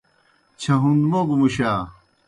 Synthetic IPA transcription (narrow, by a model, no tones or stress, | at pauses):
t͡ɕʰɐɦũnd̪moɡumuɕaː